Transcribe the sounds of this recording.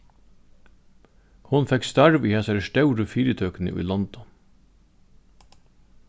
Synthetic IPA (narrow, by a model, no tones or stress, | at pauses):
hʊnfɛkst̪æɹʋiːhɛsæɾəʃtɑʉɾəfiːɾət̪ʰøːknə̰ʔḭːlɑnd̪ɑ